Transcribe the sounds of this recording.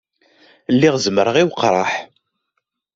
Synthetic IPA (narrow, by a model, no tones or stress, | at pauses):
lːiʁzməɾəʁiwqɾˤɑ̰ħ